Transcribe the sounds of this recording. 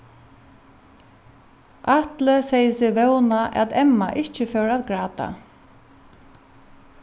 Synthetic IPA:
ʔat̪ləsɛjəsɪvɛwnaʔɛ̰t̪ɛmːa̰ʔɪht͡ʃəfœwɹaðɡɹaːt̪a̰

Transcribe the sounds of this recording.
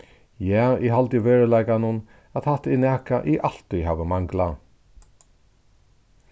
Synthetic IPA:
jaːɪɦalt̪ɪʋeːɹəlajkanʊn | at̪hat̪ɪnɛːkaʔɪʔal̥t̪ʏɦaːʋəmaŋkla

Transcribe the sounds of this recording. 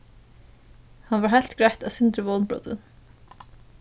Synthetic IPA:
hanvaɦajl̥t̪ɡɹɛht̪aðsɪnt̪ɾɪvɔːlnpɹo̰ːt̪ɪ̰n

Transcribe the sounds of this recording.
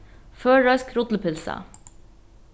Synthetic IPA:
føːɹœʏskɾʊt̪l̩pʰɪlsə̰

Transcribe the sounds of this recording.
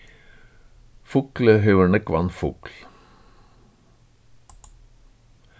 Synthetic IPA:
fʊkləɦœʉəɳəkʋɑ̰nfʊkl

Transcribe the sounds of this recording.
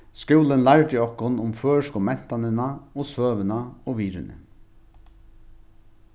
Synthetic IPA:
skʉːlənlæɾt̪ɪɔhkʊnʊmføːʂkʊmɛn̥t̪anənaoːsøːʋənaoːʋiːɾɪnə̰

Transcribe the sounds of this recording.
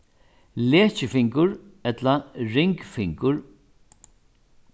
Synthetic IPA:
leːt͡ʃɪfɪŋkʊɾɛt̪laɾɪŋkfɪŋkʊɹ

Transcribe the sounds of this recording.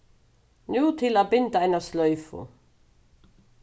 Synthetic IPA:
njuːt̪ʰɪlaðpɪnt̪aajnast̪lœɥfʊ̰

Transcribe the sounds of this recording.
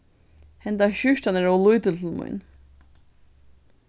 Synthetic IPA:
hɛnt̪aɕʏʂt̪anɛɾawlujt̪ʏt̪ʰɪlmʊ̰jn

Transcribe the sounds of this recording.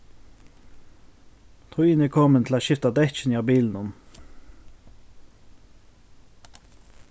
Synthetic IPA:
t̪ʰʊiːnəkʰɔmənt̪ʰl̩aːʃɪft̪ɑd̪ɛt͡ʃniːɑbiːln̩ʊm

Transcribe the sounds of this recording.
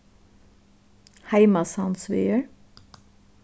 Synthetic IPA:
hæɪmɑsɑnsʋœ̰ʏəɹ

